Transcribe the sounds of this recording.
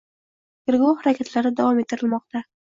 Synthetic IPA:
kɪɾɡohaɾakʲʰet̪ʰlaɾɪd̪avɒmet̪ʰːɪɾɪlmɒq̚t̪ʰa

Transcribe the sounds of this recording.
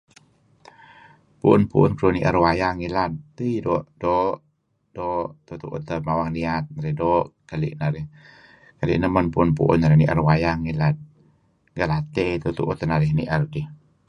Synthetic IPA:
puʔʊnpuʔʊnkɾuniʔəɾwajaŋilat̪ːəidɔʔdɔʔ | dɔʔt̪ut̪uʔṵt̪əmawaŋniat̪̚naɾihdɔʔkalḭʔnaɾɪh | kalḭʔnəmənpuʊnpṵʔʊ̰naɾɪhniʔə̰ɾwajaŋilat̪̚ | ŋɡəlat̪et̪ut̪ṵʔut̪ənaɾɪhniʔərkih

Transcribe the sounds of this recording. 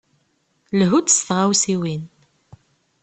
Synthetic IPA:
lɦut͡s̪ːsθʁawsiwin

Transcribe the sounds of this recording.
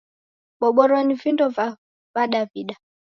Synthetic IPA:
ɓɔɓɔɾɔnivindɔva | vaɗaviɗa

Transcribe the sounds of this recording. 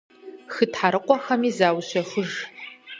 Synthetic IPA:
xɨtħaɾɨqʷʼɔxɐmiːzaːwɕɐxʷʊʒ

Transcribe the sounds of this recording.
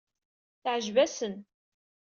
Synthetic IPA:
θəʕʒvæsən

